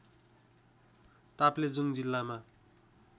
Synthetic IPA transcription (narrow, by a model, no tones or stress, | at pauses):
t̪apled͡zuŋd͡zilːama